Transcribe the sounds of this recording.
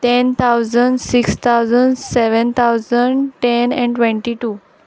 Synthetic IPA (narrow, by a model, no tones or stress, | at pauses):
ʈent̪ʰawzəɳɖsikst̪ʰawzəɳɖseʋənt̪ʰawzəɳɖʈenɛ̰̃ɳʈʋẽɳʈiʈuː